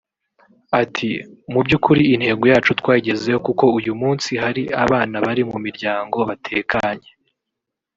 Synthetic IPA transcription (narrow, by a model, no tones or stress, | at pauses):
atʰimubɟukuɾiːn̥he̞ːɡojaːt͡ʃutwaːiɟe̞ze̞hokuko̞ujumuːnsiɦaɾiaβaːnaβaɾimumiɾɟaːŋɡo̞βatʰe̞ːkaɲe̞